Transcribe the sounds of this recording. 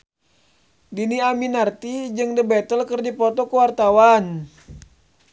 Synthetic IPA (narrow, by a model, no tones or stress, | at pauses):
diniaminart̪id͡ʒɨŋdəbɛt̪əlkərdipɔt̪ɔkəwart̪awan